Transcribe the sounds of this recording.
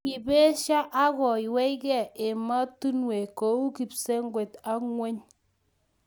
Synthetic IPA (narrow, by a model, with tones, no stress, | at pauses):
ki˨be˦ʃa˦ʔa˦kɔ˨i˨wɛ˦jkɛ˦˨e˨ma˦tu˦nwe˨ko˨˦u˦ki˨pse˦ŋɡwe˨ta˦kŋwe˦ɲ